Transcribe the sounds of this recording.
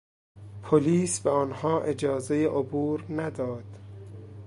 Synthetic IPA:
pʰoliːsbeɒːnhɒːʔed͡ʒɒːzejeʔobuːɾnæd̪ɒːd̪̥

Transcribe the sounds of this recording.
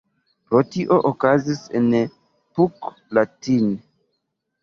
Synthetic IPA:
pɾotiʔoʔokazisen | puk | latin

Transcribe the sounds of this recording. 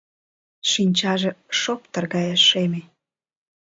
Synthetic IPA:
ʃinʲt͡ɕɑʒĕʃop̚t̪ərɣɑjɑʃːeme

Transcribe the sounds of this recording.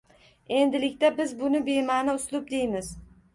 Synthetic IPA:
e̞nd̪ɪlɪkʲt̪abɪzbʊnɪbe̞manɪʊslˠʊp̚d̪e̞jmɪz̥

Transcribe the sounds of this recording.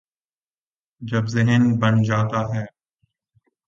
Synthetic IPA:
d͡ʒəbzɪɦənbənd͡ʒaːt̪aːɦɛː

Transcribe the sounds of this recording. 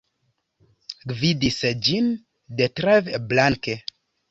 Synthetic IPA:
ɡvidisd͡ʒin | detɾeveblaŋke

